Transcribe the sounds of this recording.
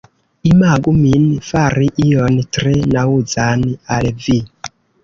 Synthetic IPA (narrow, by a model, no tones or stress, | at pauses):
imaɡuminifaɾiʔijɔnitrinawud͡zanialɛvi